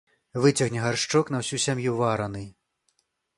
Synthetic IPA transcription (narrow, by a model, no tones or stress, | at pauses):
vɨt͡sʲɐɣnʲɛɣarʂt͡ʂɔknɐwsʲusʲamjuvaɾɐnɨ